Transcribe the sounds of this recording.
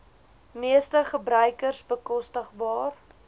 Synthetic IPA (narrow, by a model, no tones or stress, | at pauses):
miəstəχəbɾœɥkərsbəkɔstəχbɑːr